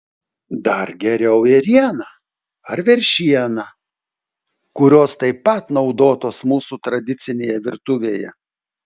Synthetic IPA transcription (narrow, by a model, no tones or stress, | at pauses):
d̪ɐɾɡʲɛɾʲɛʊɪɾʲiɛnɐ | ɐɾʋʲɛɾʲʃʲiɛnɐ | kʊɾʲoːst̪ɐɪpːɐt̪nɒʊd̪oːt̪oːsmuːsut̪ɾɐd̪ʲɪt̪sʲɪnʲeːjɛʋʲɪɾt̪ʊʋʲeːjɛ̰